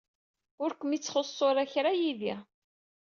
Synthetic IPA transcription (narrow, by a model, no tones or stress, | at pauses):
ʊɾkʷəmit͡sːχosˤːoɾˤæçɾajiði